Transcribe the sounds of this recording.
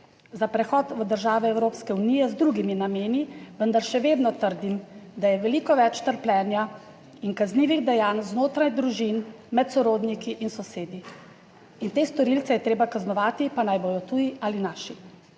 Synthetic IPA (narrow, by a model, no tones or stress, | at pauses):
zapɾɛxɔt̪ʋəd̪əɾʒaːʋɛɛwɾoːpskɛunijɛzd̪ɾuɡiminameːniʋənd̪aɾʃɛʋeːd̪nɔt̪əɾd̪imd̪ajɛʋɛlikɔʋɛt͡ʃt̪əɾplɛːnja | inkazniːʋiɣd̪ɛjaːnznoːt̪ɾajd̪ɾuʒin | mɛt̪sɔɾoːd̪nikiʔinsɔseːd̪i | int̪eːst̪ɔɾilt̪sɛjɛt̪ɾeːbakaznɔʋaːt̪ipanajboːj̪ɔt̪uːjiʔalinaːʃi